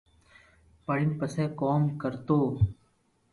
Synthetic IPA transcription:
pəɽinpəseːkɔːmkəɾt̪oː

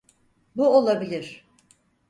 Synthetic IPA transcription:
buolˠabilʲiɾ̥

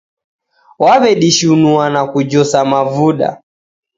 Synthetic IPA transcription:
waβɛɗiʃunuanakud͡ʒɔsamavuɗa̰

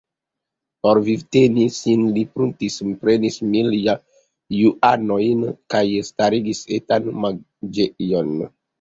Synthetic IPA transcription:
poɾvivtenisinlipɾuntispɾenismilja | juʔanojnkajstaɾiɡisetanma | d͡ʒejon

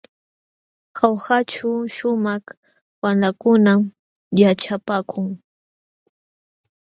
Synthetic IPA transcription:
xawxat͡ʃʊʃʊmaχ | wanlakʊnam | jat͡ʃapaːkʰʊŋ

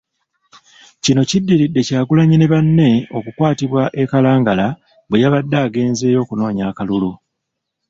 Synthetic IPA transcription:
cino̞cidːiɾidːe̞caːɡulaɲineβanːe̞o̞kukwaːtiβwaʔe̞kalaːŋɡala | βwe̞jaβadːaːɡe̞ːnze̞ːjo̞ːkuno̞ːɲaːkalulu

